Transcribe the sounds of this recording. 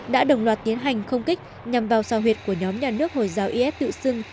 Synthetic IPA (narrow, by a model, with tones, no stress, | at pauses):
ɗa̰ː˧˥ɗə˨˩wŋ͡mlwaː˨˩t̚t̪i˨˦ənɦa˨˩jŋ̟xə˧wŋ͡mki˦˥k̟̚ | ɲa˨˩mvaː˨˩wsaː˨˧˩ɦwi˨˩ət̚ku˧˩əɲɔ˨˦mɲaː˨˩nɨ˦˥ək̚ho̰˧˨jzaː˨˦wʔi˧ʔɛ˦˥p̚t̪ɨ̰˧˨sɨ˧ŋ